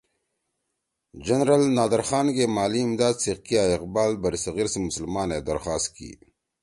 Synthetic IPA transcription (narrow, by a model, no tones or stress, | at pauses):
d͡ʒɐnɾəlnaːd̪ɐɾxaːnɡeːmaːliːmd̪aːd̪siqkijaːɪqbaːlbɐɾisɐɣiːɾsemʊsəlmaːneːd̪ɐɾxaːst̪̚kḭː